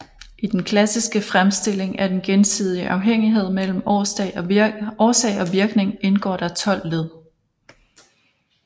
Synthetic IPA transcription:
ʔid̥enkʰlæsisɡ̥əfʁamsd̥e̝l̰e̝ŋæd̥enɡ̥ensið̰ˠiʔɑ̈ʊɦeŋ̰iɦe̝ð̞̰ˠmel̰m̩ | ɒːsɛ̰ɪɒ̽ʋiɐɡ̥ne̝ŋe̝nɡ̥ɒ̰ːɾ̥ɑ̈t͡sʰɒ̽l̰leðˠ

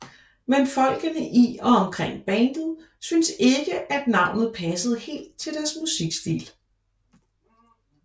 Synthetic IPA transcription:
menfɒ̽l̰ɡ̥ənəʔiɒ̽ɒ̽mkʰʁeŋ̰b̥ɛnd̥ð̩ˠ | synse̝ɡ̥əʔæd̥nɑ̈ʊ̰nð̩ˠpʰɛsəð̞̩ˠhe̝̰ːld̥̚t͡sʰe̝ld̥æɐsmusiɡ̥sd̥ḭːl

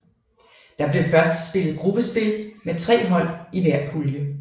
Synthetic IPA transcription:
d̥ɑ̈b̥le̝fɶɐsd̥sb̥e̝lð̩ˠɡ̥ʁub̥əsb̥e̝lmet͡sʰʁɛ̰ːɦɒ̽l̰iʋæɐ̰pʰuljə

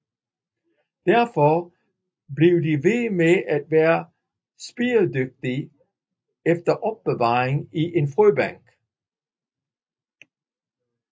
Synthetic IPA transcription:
d̥æɐfɒ | b̥liʊdiʋe̝meʔæd̥̚ʋæːɐ | sb̥iːɐd̥øɡ̥̚d̥i | efd̥ɐʔɒ̽b̥ːeʋɑ̰̈ːʁeŋiʔe̝nfʁøːb̥æŋ̰ɡ̥

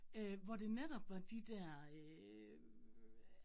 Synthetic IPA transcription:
øʋɒd̥e̝neɾ̥ɒ̽b̥ʋɑ̈d̥id̥æɐ̰

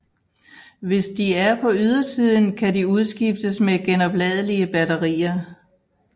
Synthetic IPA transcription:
ʋe̝sd̥iæɐpʰɒ̽yð̞ˠɐsiːð̞ˠn̩kʰædiuð̞ˠsɡ̥ifd̥əsmeɡ̥enɒ̽b̥lɛð̞ˠəliəb̥æɾɐʁḭːɐ

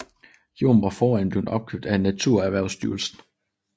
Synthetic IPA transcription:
jo̝ːmʋɑ̈fɒːænb̥le̝ʊnɒ̽b̥̚kʰøb̥̚d̥æenːæt͡sʰuɐ̰æʋæɐ̰ʊsd̥yːɐlsn̩

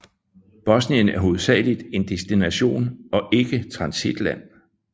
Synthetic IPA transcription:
b̥ɒ̽sniənæɐɦo̝ð̩ˠsɛ̰ːlid̥e̝nd̥e̝sd̥inæɕo̝̰ːnɒ̽ʔe̝ɡ̥ət͡sʰʁɑ̈nsid̥læn̰

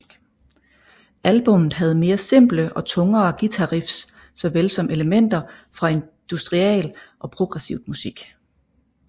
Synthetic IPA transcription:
ælb̥ɔ̽mð̩ˠɦæð̞̩ˠme̝ːɐse̝m̰b̥ləʔɒ̽t͡sʰɔ̽ŋɐːɡ̥it͡sʰɑʁifs | sɒ̽ʋelsɒ̽mʔe̝ləmen̰d̥ɐfʁɑ̈e̝nd̥usd̥ʁiɛ̰ːlʔɒ̽pʰʁo̝ɡ̥ʁɛsiʊ̰d̥musiɡ̥

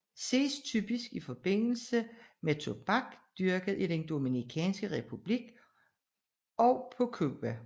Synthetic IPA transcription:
se̝̰ːst͡sʰyb̥isɡ̥ifɒ̽b̥e̝n̰l̩səmet͡sʰo̝b̥ɑ̈ɡ̥d̥yɐɡ̥əð̩ˠid̥end̥o̝minikʰɛ̰ːnsɡ̥əʁɛpʰub̥liɡ̥ | ɒ̽ʊpʰɔ̽kʰṵb̥æ

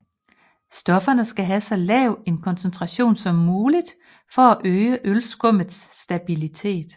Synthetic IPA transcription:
sd̥ɒ̽fɐnəsɡ̥æɦæsɑ̈ɪlɛʊe̝nkʰɒ̽nsent͡sʰʁɑ̈ɕo̝̰ːnsɒ̽mːuːlid̥ | fɒ̽æʔøɪəʔølsɡ̥ɔ̽m̰ð̩ˠsd̥æb̥ilit͡sʰe̝̰ːd̥

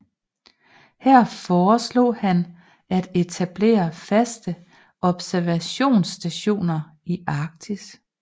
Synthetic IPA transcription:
hæɐ̰fɒːslo̝̰̽ːhæn | æd̥e̝t͡sʰæb̥le̝̰ːɐfæsd̥ə | ʔɒ̽b̥sæɐʋæɕo̝̰ːnsd̥æɕo̝̰ːnɐ | iʔɑ̈ɡ̥̚t͡sʰis

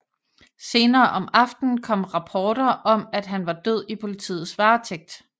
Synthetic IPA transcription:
se̝ːnɐːʔɒ̽mɑ̈fd̥n̩kʰɒ̽m̰ʁɑ̈pʰɒːɾ̥ɐʔɒ̽mæd̥ɦænʋɑ̈d̥øð̞̰ˠipʰo̝lit͡sʰḭːð̩ˠsʋɑ̈ːt͡sʰeɡ̥̚d̥

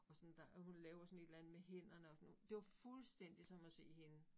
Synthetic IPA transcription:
ɒ̽sɒnd̥æhunlɛːʊɐsɔ̽n̩e̝d̥lænð̩ˠmeɦen̰ɐnəɒ̽sɒnd̥e̝ʋɑ̈fulsd̥en̰d̥isɒ̽mæse̝̰ːhe̝nə

